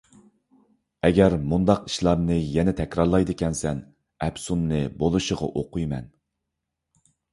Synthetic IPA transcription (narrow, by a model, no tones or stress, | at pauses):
ɛɡʲɛɾmund̪ɑqi̥ʃlˠɑmnɨjɛnɛt̪ʰɛkʲɾɑɾlˠɑjd̪ɨkʲʰɛnsɛn | ɛpsunnɨbolˠuʃəʁɑ̰ʔoqujmɛ̰n